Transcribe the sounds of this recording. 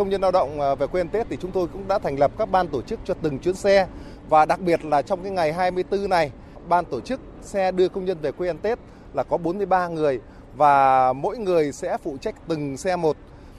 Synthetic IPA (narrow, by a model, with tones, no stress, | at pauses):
kə˧wŋ͡mɲə˧nlaː˧wɗə̰˧˨wŋ͡mve˨˩kwe˧ɛ˧nt̪e˦˥t̚t̪i˨˩t͡ɕʊ˨˦ŋ͡mt̪o˧jkʊ̰˧˥ŋ͡mɗa̰ː˧˥t̪ʰɛ˨˩jŋ̟lə˨˩p̚kaː˦˥k̚ɓaː˧nt̪o˧˩t͡ɕɨ˦˥k̚t͡ɕɔ˧t̪ɨ˨˩ŋt͡ɕwi˨˦ənsɛ˧ | vaː˨˩ɗa˨˩k̚ɓi˨˩ət̚laː˨˩t͡ɕɔ˧wŋ͡mkaː˨˦jŋa˨˩jɦaː˧jmɨ˧əjt̪ɨ˧na˨˩j | ɓaː˧nt̪o˧˩t͡ɕɨ˦˥k̚ | sɛ˧ɗɨ˧əkə˧wŋ͡mɲə˧nve˨˩kwe˧ʔɛ˧nt̪e˦˥t̚ | laː˨˩kɔ˨˦ɓo˨˦nmɨ˧əjɓaː˧ŋɨ˨˩əj | vaː˨˩mo̰˧˥jŋɨ˨˩əjsɛ̰˧˥fṵ˧˨t͡ɕa˦˥k̟̚t̪ɨ˨˩ŋsɛ˧mo˨˩t̚